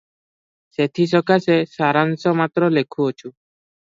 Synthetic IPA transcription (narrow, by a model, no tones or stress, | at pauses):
set̪ʰis̬ɔkasesaɾansɔmat̪ɾɔlekʰuɔt͡ʃʰu